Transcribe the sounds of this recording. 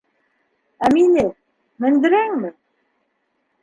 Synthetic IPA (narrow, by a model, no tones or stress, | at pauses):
æminɘ | mɘ̆nd̪ɘ̆ɾæŋmɘ